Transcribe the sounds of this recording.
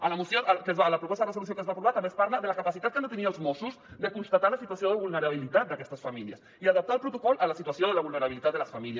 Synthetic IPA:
alamusjoakezβalapɾopost̪ðresoulus̬jokezβapɾuβaɾt̪ambespaɾlaðelakapasit̪at̪̚kenot̪enialzmosuzd̪ekunst̪at̪aɾlasit̪wasjoðeβulneɾaβ̞ilit̪at̪̚d̪akɛst̪asfamiljas | iaðap̚t̪alpɾot̪okɔlʔalasit̪wasjoðelaβulneɾaβ̞ilit̪at̪̚d̪elasfamilj

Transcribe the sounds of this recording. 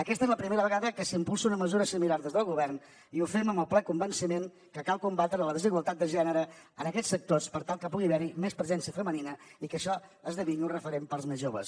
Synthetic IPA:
əkɛst̪ezləpɾimeɾəβəɣaðəkəsimpulˠsəunəməzuɾəsimilaɾðezðəlˠɣuβɛrn | iufɛməməlˠplɛkumbənsimen | kəkalˠkumbat̪ɾələðəziɣwəlˠt̪at̪̚əʒɛnəɾə | ənəkɛt͡ssːək̚t̪ospəɾt̪alˠkəpuɣiβɛɾimespɾəzɛnsiəfəməninəikəʃɔəzðəβiniurəfəɾempəlˠzmezʒoβə̰s

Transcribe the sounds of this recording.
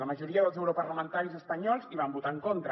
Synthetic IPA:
ləməʒuɾiəðəlˠzɛwɾupəɾləmənt̪aɾizəspəɲɔlˠziβ̞ambut̪aəŋkont̪ɾə

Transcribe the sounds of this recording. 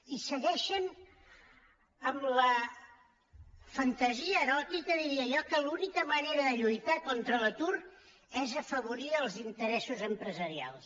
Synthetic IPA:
isəɣɛʃən | əmlə | fənt̪əziəːɾɔt̪ikəðiɾiəʒɔkəlunikəməneɾəðəʎujt̪akɔnt̪ɾələt̪ur | ɛzəfəβ̞uɾiəlˠzint̪əɾɛsuzəmpɾəzəɾia̰lˠs

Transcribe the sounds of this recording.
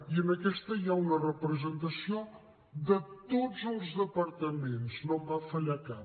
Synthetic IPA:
iənəkɛst̪əiaunərəpɾəzənt̪əsio | d̪ət̪od͡zəlˠzðəpəɾt̪əmenznombafəʎaka

